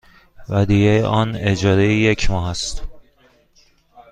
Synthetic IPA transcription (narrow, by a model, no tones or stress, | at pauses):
væd̪ijejʔɒːned͡ʒɒːɾejijecʰmɒːɦæst̪